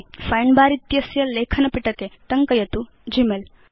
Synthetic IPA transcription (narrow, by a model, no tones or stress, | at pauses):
fɐjɳbaːɾit̪jɐsjɐleːkʰɐnɐpiʈɐket̪ɐŋkɐjɐt̪u | d͡ʒimel